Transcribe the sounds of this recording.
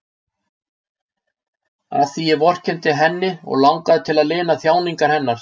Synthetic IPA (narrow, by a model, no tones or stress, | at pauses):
a̰θijɛvɔr̥cʰɛnt̪ɪɦɛnːɪɔ̰ɣlawŋkaðɪt̪ʰɪlaðlɪːnaθjaːwniŋkaɾ̥hɛnːaɾ̥